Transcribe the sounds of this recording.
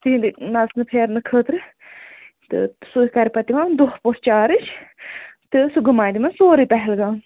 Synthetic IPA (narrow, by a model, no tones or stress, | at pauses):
t̪iːnd̪inɐsnɨpʰeːɾnɨkʰəːt̪ɾɨ | t̪ɨ̰sukɐɾipɐt̪imãːd̪ohpoɾt͡ʃaːɾɨt͡ʃʰ | t̪ɨsuɡɨmaːd̪imãsoːɾipɛɦɛlɡãː